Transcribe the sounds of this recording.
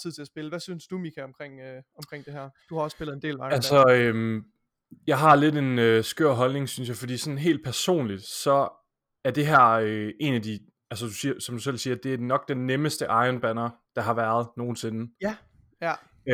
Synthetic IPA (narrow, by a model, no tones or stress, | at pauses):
t͡sʰiðˠt͡sʰe̝æsb̥e̝ləʋæsynsd̥umikʰæɒ̽mkʰʁeŋ̰ɒ̽mkʰʁeŋ̰d̥e̝hɛɐ̰d̥uhɑ̈ɒ̽sːb̥elð̩ˠe̝nde̝̰ːlɑ̈ɪælsɒøm | jɑ̈ɪɦɑ̈le̝de̝nøsɡ̥øɐ̰ɦɒ̽lne̝ŋsynsjɑ̈ɪfɒ̽d̥ḭːsɒ̽n̩ɦe̝̰ːld̥̚pʰæɐso̝̰ːnlid̥sɒ̽ | æɐd̥e̝ɦæɐ̰øʔe̝næd̥i | ælsəd̥usiːɐsɒ̽md̥usel̰siːɐd̥e̝æɐd̥enɒ̽ɡ̥̚d̥enːeməsd̥əʔɑ̈ɪɐnb̥ænɐd̥ɑ̈ɦɑ̈ʋæːɐð̞ˠno̝ːn̩se̝nə